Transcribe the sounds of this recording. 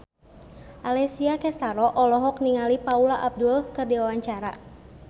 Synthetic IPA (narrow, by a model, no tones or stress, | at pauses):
ʔalɛsiakɛst̪aɾɔʔɔlɔɦɔkniŋalipaulaʔab̚dulkərdiwawaɲt͡ʃaɾa̰